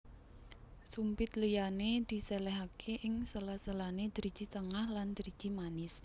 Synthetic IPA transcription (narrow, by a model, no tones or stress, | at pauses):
sumpɪt̪lijaned̪̥i̤sɛlɛɦakʰeʔɪŋsəlasəlaned̪̥əɾid̥d͡ʒ̥i̤t̪əŋahland̪̥əɾi̥ʒ̥i̤manɪs